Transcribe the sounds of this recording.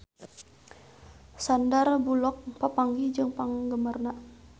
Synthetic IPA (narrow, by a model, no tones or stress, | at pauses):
sandarbulɔk̚papaŋɡid͡ʒɨŋpaŋɡəmərnaʔ